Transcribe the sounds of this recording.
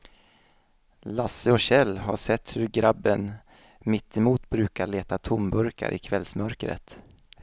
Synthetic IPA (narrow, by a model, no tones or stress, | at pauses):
lasːəɔɕɛlːɦa̰ʂɛt̪ːhɵɾɡɾabːən | mɪt̪ʰːɪmuːt̪bɾʉ̟ːkaɭeːt̪at̪ʰʊmbɵɾka̰ɾʔɪ̰kʰvɛlsmœɾkɾə̰t̪